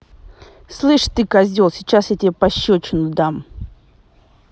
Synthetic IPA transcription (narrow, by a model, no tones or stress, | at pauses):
slˠɨʂt̪ɨkɐzʲolˠsʲɪt͡ɕasjat̪ʲɪbʲepɐɕːot͡ɕɪnʊd̪am